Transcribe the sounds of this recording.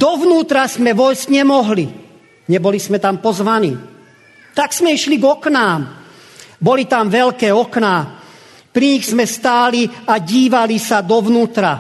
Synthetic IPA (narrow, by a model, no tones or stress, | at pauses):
d̪ɔʋnuːt̪ɾazmɛʋɔjzɟɲɛmɔɦli | ɲɛbɔlizmɛt̪ampɔzʋanḭː | t̪aɡz̥mɛiʃliɡɔknaːm | bɔlit̪amʋɛʎkɛːɔkna | pɾiɲiɣsmɛst̪aːliaɟiːʋalisad̪ɔʋnuːt̪ɾa